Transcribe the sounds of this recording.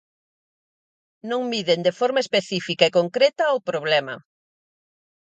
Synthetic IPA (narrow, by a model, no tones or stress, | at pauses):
nõŋmiðend̪efɔɾmɐespeθifikɐekoŋkɾɛt̪ɐwpɾoβlɛmɐ̰